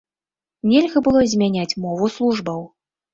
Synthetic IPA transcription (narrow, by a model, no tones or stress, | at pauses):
nʲɛlʲɣɐbɨlˠɔzʲmʲanʲat͡sʲmɔvuslˠuʐbɐw